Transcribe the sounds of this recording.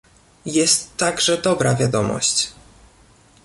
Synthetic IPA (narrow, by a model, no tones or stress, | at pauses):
jɛst̪ːaɡʐɛd̪ɔbɾavʲjad̪ɔmɔ̰ɕt͡ɕ